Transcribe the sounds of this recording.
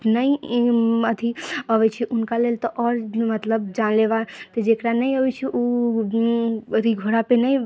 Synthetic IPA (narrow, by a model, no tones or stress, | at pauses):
nəi | əd̪ʱiəbɛt͡ʃʰɛʔunkalelt̪ɔʔɔɾmət̪ləb̚d͡ʒanlebat̪ɔd͡ʒekɾanəjəbɛt͡ʃʰɛʔu | əd̪ʱiɡʱoɽapenəj